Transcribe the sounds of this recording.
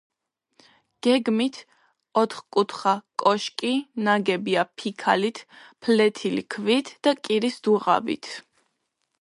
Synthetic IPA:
ɡ̥ɛɡmit̪ʰ | ɔt̪ʰχkʼut̪ʰχakʼɔʃkʼinaɡɛbiapʰikʰa̰lit̪ʰpʰlɛt̪ʰilḭkʰvit̪ʰd̪̥akʼiɾisd̪uʁa̰bḭt̪ʰ

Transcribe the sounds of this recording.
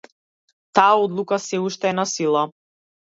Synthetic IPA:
t̪aaɔd̪lˠukasɛuʃt̪ɛːnasilˠa

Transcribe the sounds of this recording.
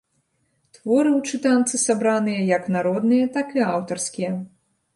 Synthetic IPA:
t̪vɔɾɨwt͡ʂɨt̪ant̪sɨsabɾanɨjɐjɐknaɾɔd̪nɨjɐt̪akɨawt̪ɐrskʲijɐ

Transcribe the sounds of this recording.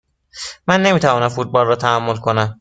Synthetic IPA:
mænːe̞miːt̪ʰævɒːnæmfut̪̚bɒːlrɒːt̪ʰæhæmːolkʰo̞næm

